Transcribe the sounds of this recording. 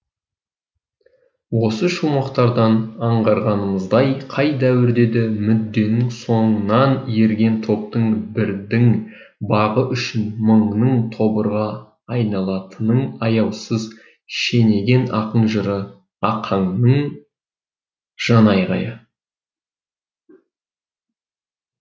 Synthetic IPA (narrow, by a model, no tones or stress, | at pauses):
wo̞səʃumɑqt̪ɑɾd̪ɑnɑɴʁɑɾʁɑnəməzd̪ɑjqʰɑjd̪æwɪɾd̪e̞d̪ɪmʏd̪ːe̞nɪŋso̞ɴənɑnje̞ɾɡʲe̞nt̪ʰo̞p̚t̪əɴbɪɾd̪ɪŋ | bɑʁəʔʏʃɪnməɴnəɴt̪ʰo̞bəɾʁɑː | jnɑlˠɑt̪ənəɴɑjɑwsəz | ʃe̞ne̞ɡʲe̞nɑ̰qənʒəɾə | ɑqʰɑɴnəɴ | ʒ̥ɑnɑjʁɑ̰jə